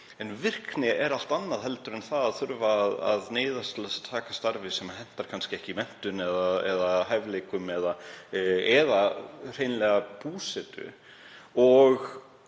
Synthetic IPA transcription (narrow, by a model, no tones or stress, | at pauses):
ɛnvɪr̥knɪɛɾal̥t̪anːaðɦɛlt̪ʏɾɛnθaðaðθʏɾvaːða̰ðneːjðast̪ɪlɛsat̪ʰaːkḁst̪aɾvɪsɛmaɦɛn̥t̪aɾ̥kʰanscɪɛhcɪimɛn̥t̪ʏnɛðaɛðaɦajvleːkʏmɛða | ɛðar̥ejnlɛɣapuːsɛt̪ʏ̰ | ɔɣ